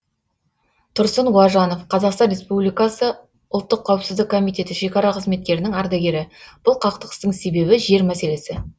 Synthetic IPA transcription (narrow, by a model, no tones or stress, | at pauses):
t̪ʰʊɾsənwɑʒɑno̞fqʰɑzɑqst̪ɑnrʲe̞spublijkɑsə | ʊlˠt̪ːəqʰːɑwəpsɪzd̪ɪkʰːo̞mijt̪ʲe̞t̪ɪʃe̞kɑɾɑqʰəzme̞t̪̚kʲe̞ɾɪnɪŋɑɾd̪aɡʲe̞ɾɪb̥ʊlˠqʰɑqt̪əqəst̪əɴse̞be̞bɪʒe̞ɾmæse̞le̞sɪ